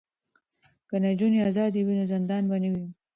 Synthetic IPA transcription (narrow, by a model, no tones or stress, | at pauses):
kanad͡ʒuneazɑd̪iwinozɪnd̪ɑnbanawi